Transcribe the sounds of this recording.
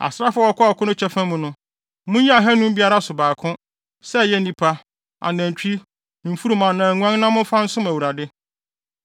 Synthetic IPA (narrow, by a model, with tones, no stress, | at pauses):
a̰˨sɾa˦fʊ˦a˦ɔ˨˦kʰɔ˦ɔ˨kʰʊ̃˦nʊ̃˦t͡ɕʰɛ˦fã˦mũ˨nʊ̃˦ | mʊ̃˦i˦a˨ɦɛ˦nʊ̃˦m˦bi˦a˦ɾa˦sʊ˨baː˨kʰʊ̃˦ | sɛ˦˨jɛ˦nĩ˨pʰa˦ | a̰˨næ̃˨ɲ˨t͡ɕᶣi˦ | m̩˨fu˦ɾu˨mã˨nã˨ŋʷ˦ã˦ŋnã˦mʊ̃˦fa˦n̩˦sʊ̃˦mæ˨wu˨ɾa˨dɪ˦